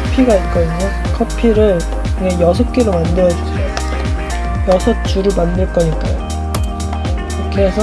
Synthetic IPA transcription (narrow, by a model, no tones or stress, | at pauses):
pʰiɡaik͈ʌiɲo | kʰʌpʰiɾɯɭ | ɯŋejʌsʰʌp̚k͈eɾomandɯɾjʌd͡ʑusʰejo | jʌsʰʌt͡ɕ͈uɾɯɭmandɯɭk͈ʌɲik͈a̰jo̰ | kʰesʰʌ